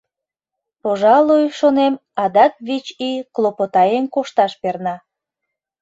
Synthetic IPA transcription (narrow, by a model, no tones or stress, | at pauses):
poʒɑlujʃonemɑd̪ɑk̪̚βit͡ɕiklˠopot̪ɑjenkoʃt̪ɑʃpernɑ